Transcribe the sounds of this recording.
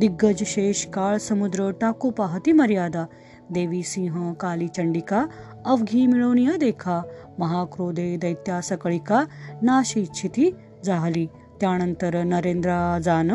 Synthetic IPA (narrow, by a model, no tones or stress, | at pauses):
d̪iɡːɐd͡ʒʃeːʃkaːɭsɐmud̪ɾəʈaːkupaɦɐt̪imɐɾjaːd̪a | d̪eːʋisĩːɦɐ̃kaːlit͡ʃɐɳɖika | ɐʋɡʱiːmiɭoːnijɐd̪eːkʰa | mɐɦaːkɾoːd̪ed̪ɐjt̪jaːsɐkəɭikanaːʃit͡ʃʰit̪i | d͡zaːɦli | t̪jaːñɐnt̪əɾnɐɾeːnd̪ɾad͡zaːn